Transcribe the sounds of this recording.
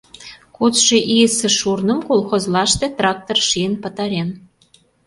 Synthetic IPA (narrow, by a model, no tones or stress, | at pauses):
kut͡sʃeʔijəsĕʃurnəmkolxozlɑʃt̪et̪rɑk̚t̪orʃijənpə̆t̪ɑɾen